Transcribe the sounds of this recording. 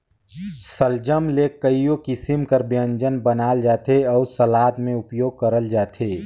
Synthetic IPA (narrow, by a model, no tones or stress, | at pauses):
səld͡ʒəmlekːəijõkɪsimkəɾbjə̃nd͡ʒənbənaːld͡ʒaːt̪eɔːɾsəlaːd̪mẽʊpjoːɡ̚kəɾəld͡ʒaːt̪ʰeː